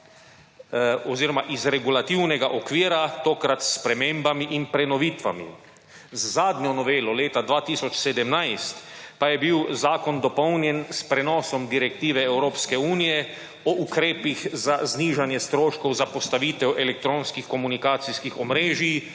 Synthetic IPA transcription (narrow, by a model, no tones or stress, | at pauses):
ɔziːɾɔmaʔizɾɛɡulat̪iwnɛɡaʔɔkʋiːɾat̪oːkɾat̪spɾɛmeːmbamiʔinpɾɛnɔʋiːt̪ʋa̰mḭ | zːaːd̪ɲʲɔnɔʋeːlɔleːt̪ad̪ʋaːt̪iːsɔt͡ʃsɛd̪ɛmnaɪst̪pajɛbiwzaːkɔnd̪ɔpɔwnjɛnspɾɛnɔːsɔmd̪iɾɛk̚t̪iːʋɛɛwɾoːpskɛuːnijɛ | ɔʔukɾeːpixzazniːʒanjɛst̪ɾoːʃkɔwzapɔst̪aʋiːt̪ɛwʔɛlɛk̚t̪ɾoːnskixkɔmunikaːt̪siskixɔmɾeːʒi